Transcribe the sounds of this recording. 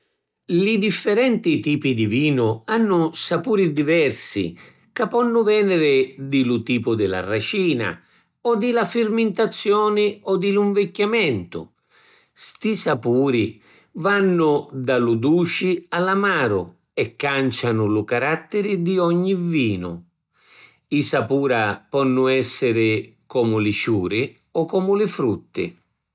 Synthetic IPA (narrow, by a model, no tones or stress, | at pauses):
lɪd̪ifːɛɾɛnt̪it̪iːpid̪iviːnʊanːʊsapuːɾid̪ivɛrsḭ | kapːɔnːʊvɛːnɪɾɪd̪ɪlʊt̪iːpʊd̪ɪla̰rat͡ʃiːna̰ | ɔd̪ɪlafɪrmɪnt̪at̪sːjɔːnɪɔd̪ɪluɱvɛkːjamɛnt̪ʊ̰ | st̪isapuːɾi | vanːʊd̪alud̪uːt͡ʃialamaːɾʊ | ɛkːant͡ʃanʊlʊkaɾat̪ːɪɾɪd̪iɔɲːiviːnʊ̰ | isapuːɾapɔnːʊɛsːɪɾɪkɔːmʊlɪt͡ʃuːɾɪ | ɔkɔːmʊlɪfɾut̪ːɪ̰